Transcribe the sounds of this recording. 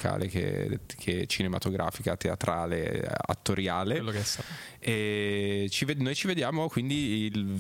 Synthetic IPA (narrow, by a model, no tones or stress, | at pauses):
ka̰ːlḛkḛkʰeɛt͡ʃinema̰t̪oɡɾʔa̰ːfikat̪ea̰t̪ɾʔaːlḛa̰t̪ːoɾjaːlelːokst̪a | ɛ | t͡ʃivenoːjt͡ʃived̪jaːmokwind̪il